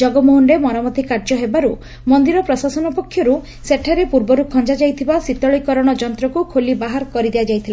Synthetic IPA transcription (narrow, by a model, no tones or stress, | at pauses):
d͡ʒɔɡɔmoɦunɾemɔɾamɔt̪ikaɾd͡ʒɔɦebaɾu | mɔnd̪iɾɔpɾɔsasɔnɔpɔkʰːjɔɾu | seʈʰːaɾepuɾbɔɾukʰɔnd͡ʒad͡ʒajt̪ʰibasit̪ɔɭikɔɾɔɽ̃ɔd͡ʒɔnt̪ɾɔkukʰolibaɦaɾkɔɾid̪ead͡ʒajt̪ʰila